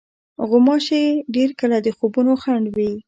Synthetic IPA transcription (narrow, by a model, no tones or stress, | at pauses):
ɣʊmɑʃeɖeɾkəlad̪əxobunoxaɳɖwi